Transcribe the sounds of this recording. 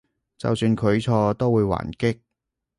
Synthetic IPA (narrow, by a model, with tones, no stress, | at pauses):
t͡sɐ̰˨wsyː˧nkʰɵ˨˧ɥt͡sʰɔː˧t̪o˥wuː˨˧jwa̰ː˨˩nkɪ˥k̚